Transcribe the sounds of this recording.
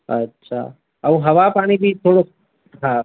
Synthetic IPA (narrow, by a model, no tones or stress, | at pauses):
ətːʃʰa̰ | ɐũɦɐʋapaːɽ̃ibʱit̪ʰoːɽo | ɦã